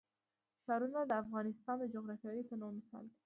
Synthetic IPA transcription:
ʃɑɾunad̪əafɣɑnɪst̪ɑnd̪əd͡ʒʊɣɾɑfjɑɾip̪ənomɪsɑ̰l

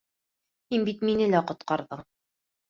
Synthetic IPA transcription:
hinbit̪minɘlæqŏt̪̚qɑɾðɤɴ

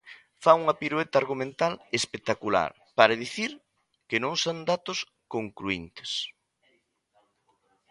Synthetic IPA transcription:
fauŋɐpiɾuet̪aɾɣumẽnt̪alespek̚t̪akula̰ɾ | paɾaðiθiɾ | kenõŋsond̪at̪ʊs | koŋkɾuint̪ɪ̥s

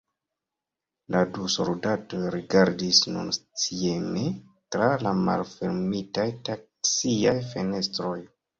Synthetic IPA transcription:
laduso̰ldatojɾiɡaɾdisnṵnt͡sieme | tɾalama̰lfeɾmitajtak̚ | siajfe̞ne̞stɾo̞j

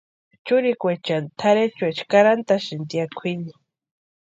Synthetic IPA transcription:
t͡ʃʊɾikʷet͡ʃant̪ʰaɾet͡ʃwet͡ʃkaɾant̪aʃint̪jakʷʰini

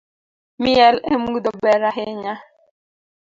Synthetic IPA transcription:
miɛlḛmud̪ɔbɛɾaɦeɲa

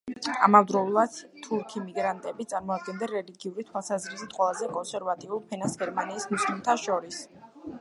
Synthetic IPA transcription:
a̰mavd̪ɾɔulˠad̪̥t̪ʰuɾkʰimiɡɾant̪ʼɛbit̪sʼaɾmɔad̪̚ɡɛnd̪aɾɛliɡiuɾit̪ʰwalˠsazɾisit̪ʼqʼwɛlˠazɛkʼɔnsɛɾvat̪ʼiulˠpʰɛnasɡɛɾmaniːsmuslimt̪ʰaʃɔɾis

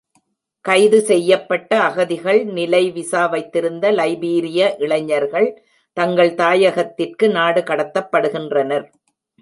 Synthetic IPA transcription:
kɐɪðɯsɛjːɐpːɐʈːɐːɣɐðɪɣɐɭnɪlɐɪʋɪsaːʋɐɪt̪ːɪɾɯnd̪ɐlɐɪbiːɾɪjɐʔɪɭɐɲːɐɾɣɐɭ | t̪ɐŋɡɐɭt̪aːjɐɣɐt̪ːɪrkɯnaːɽɯkɐɽɐt̪ːɐpːɐɽɯɣɪndrɐnɐɾ

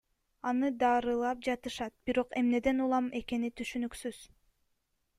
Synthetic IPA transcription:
ɑnɯd̪ɑɾɯlˠɑp̚d͡ʒɑt̪ɯʃɑt̪̚b̥iɾo̞qe̞mne̞d̪e̞nulˠɑme̞ke̞nit̪ʰyʃynyksyz̥

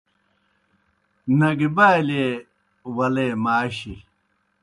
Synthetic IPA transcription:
nɐɡibaːjle | wɐlemaːɕi

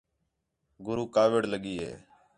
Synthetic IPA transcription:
ɡʊɾuːkaːʋɪɽləɠiːɦḛː

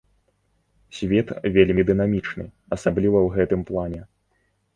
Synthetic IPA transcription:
sʲvʲɛt̪vʲelʲmʲid̪ɨnamʲit͡ʂnɨ̰ | ɐsablʲivɐwɣɛt̪ɨmplˠanʲɛ

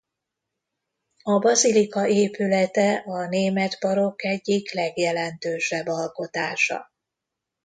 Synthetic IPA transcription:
ɒbɒzilikɒeːpylɛt̪ɛʔɒneːmɛt̪bɒɾo̞kɛɟːiklɛɡjɛlɛnt̪øːʃɛbːɒlko̞t̪aːʃɒ̰

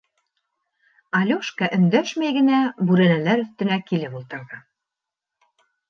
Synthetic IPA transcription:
ɑlʲuʃkɑʔɵ̆nd̪æʃmæjɡɘ̆næbʉɾɘ̆nælæɾɵ̆θt̪ɘ̆nækilɘpulˠt̪ɤ̆ɾðɑ

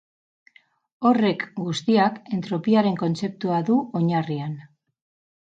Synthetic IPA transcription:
o̞re̞kɡust̪iake̞nt̪ɾo̞piaɾe̞ŋko̞nt͡se̞p̚t̪uaðuo̞ɲarian

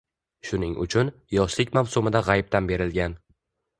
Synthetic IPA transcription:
ʃʊnɪŋʔʊ̰t͡ʃʰʊnjɒʃlɪkʲmawsʊmɪd̪aʁɑjp̚t̪anbe̞ɾɪlɡʲan

